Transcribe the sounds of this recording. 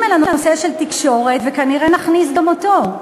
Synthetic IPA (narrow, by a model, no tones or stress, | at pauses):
melanooseʃelt̪ikʃo̞ʁet̪vekaniʁenaχnisd̪omot̪o